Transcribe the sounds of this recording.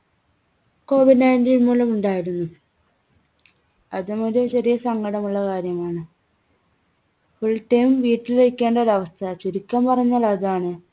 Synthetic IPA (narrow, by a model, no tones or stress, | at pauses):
ko̞ːʋiɖnɐjntiːnmuːlɐmuɳɖaːjiɾunːu | ɐðɨmoɾut͡ɕɐɾijɐsɐŋɡɐɽɐmuɭːɐkaːɾjɐmaːɳɨ | fuɭʈːɐjumʋiːtːileikʲːe̞ːɳɖoɾɐʋɐst̪ʰɐt͡ɕeɾikʲːɐmpɐrɐɲːaːlɐðaːɳɨ